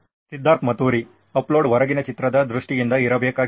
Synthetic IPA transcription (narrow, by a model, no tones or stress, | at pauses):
sid̪ːaːɾt̪ʰmɐt̪uːɾi | ɐploːɖʋɐɾɐɡinɐt͡ʃit̪ɾɐd̪ɐd̪ɾuʂʈijind̪ɐiɾɐbʱjɐkaː